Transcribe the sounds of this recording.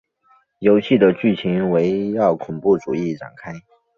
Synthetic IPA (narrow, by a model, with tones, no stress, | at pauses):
jo˧˥ʊɕi˥˩d̪ə˩t͡ɕy˥˩t͡ɕʰi˧˥ŋwe˧˥ɪjɑ˥˩ʊkʰʊ˨˩ŋpu˥˩ʈ͡ʂu˨˩i˥˩ʈ͡ʂa̰˨˩ŋkʰa˥ɪ